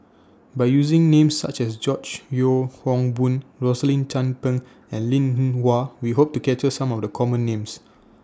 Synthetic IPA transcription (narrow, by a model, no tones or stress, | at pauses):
baɪjuzĩŋnẽmsːa̰t͡ʃɛsd͡ʒɔt͡ʃjohɔ̃ŋbũnɹɔsəlĩnt͡ʃãnpə̃ŋ | ɛ̃nlĩnnwawiɦop̚tukɛt͡ʃəsãmɔfdəkʰɔmə̃nːẽms